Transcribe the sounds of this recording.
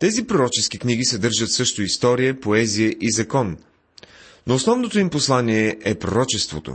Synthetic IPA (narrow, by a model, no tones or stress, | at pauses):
t̪ɛzipɾoɾɔt͡ʃɛskikniɡ̟isɛd̪ɤɾʒət̪sɤʃt̪oist̪ɔɾijəpoɛzijəʔizɐkɔn | noːsnɔvnot̪oimposlˠanʲiɛʔɛpɾoɾɔt͡ʃɛst̪vo̰t̪o̰